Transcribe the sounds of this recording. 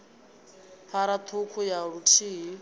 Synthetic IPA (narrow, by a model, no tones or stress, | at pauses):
pʰaɾat̪ʰukʰujaɺutʰiːɦi